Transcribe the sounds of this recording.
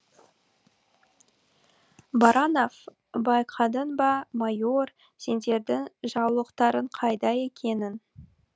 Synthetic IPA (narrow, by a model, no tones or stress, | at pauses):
bɑɾʔɑnof | bɑjqʰɑd̪ənbɑmɑjo̞r | se̞nd̪e̞ɾd̪ɪŋʒɑwlˠəqt̪ɑɾəɴqʰɑjd̪ɑe̞kʲe̞nɪn